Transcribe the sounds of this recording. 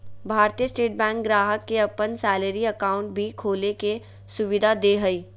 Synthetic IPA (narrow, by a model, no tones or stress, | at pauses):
bʱaːɾt̪ijəsʈeːʈ̚bɛ̃ːŋk̚ɡɾaːɦəkːeɐpənsɛːleɾiɐkaːʊ̃ɳʈ̚bʱikʰoːleke | sʊʋɪd̪ʱad̪eːɦəiː